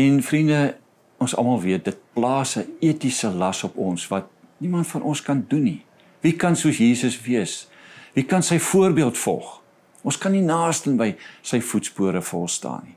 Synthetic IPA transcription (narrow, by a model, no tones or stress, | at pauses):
ɛnfrində | ɔnsɐ̰lˠmɐlˠviət̚dət̚plɑːsəiətisəlɐsɔpɔnsvɐt̚ | nimɐntfɐnʔɔnskɐnduni | vikɐnsuəsjiːsəsviəs | vikɐnsəjfuərbiəlˠtfɔ̰lˠχ | ɔ̃nskɐnːinɑːstənbəjsəjfutspuəɾəfɔ̰lˠstɑ̰ːni